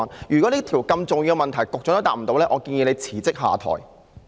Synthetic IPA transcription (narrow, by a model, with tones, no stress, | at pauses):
njyː˨kɔ˨˥niː˥t̪ʰiː˨˩wkɐ˧mt͡sʊ˨ŋji˧wmɐ˨nt̪ʰɐ˨˩jkʊ˨k̚t͡ɕʊ˧˥ŋ˥t̪aː˨m̩˨˩t̪o˧wlɛː˥ʔɔː˨˧kiː˧njiː˧ne˨˧t͡sʰiː˨˩t͡sɪ˥k̚ɦa̰ː˨t̪ʰɔ̰ː˨˩j